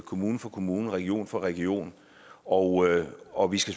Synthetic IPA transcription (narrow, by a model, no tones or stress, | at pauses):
kʰo̝muːn̩fɒ̽kʰo̝muːn̩ʁɛɡ̥io̝̰ːnfɒ̽ʁɛɡ̥io̝̰ːn | ɒɒ̽ʋisɡ̥æs